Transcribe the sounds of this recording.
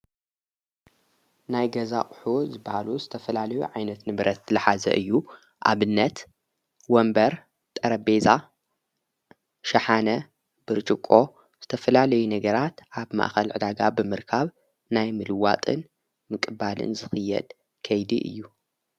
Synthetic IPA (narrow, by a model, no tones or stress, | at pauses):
najɡɐzaʔʼħuzɨbahaluzɨt̪ʰɐfɐlalɐjṵʕajnɐt̪nɨβɾɐt̪ːlɨħazɐ̰ʔɨjːu | ʔa̰βɨnːɐt̪ | wɔmbɐɾ | t̪ʼɐɾɐbe̞za | ʃɐħanɐ | b̥ɨɾt͡ʃʼɨkʼːo̞ | z̥ɨt̪ʰɐfɐlalɐjunɐɡɐɾat̪ʔaβma̰ʔxɐlʕɨd̪aɡabɨmɨɾkʰaβ | najmɨlɨwat̪ʼɨ̰n | mɨkʼɨbalɨ̰nzɨxɨjːɛ̰d̪̥ | kʰɐjd̪iʔɨ̰jːu